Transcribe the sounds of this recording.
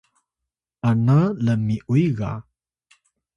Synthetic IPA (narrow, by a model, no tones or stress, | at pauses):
analəmiʔuiɣa̰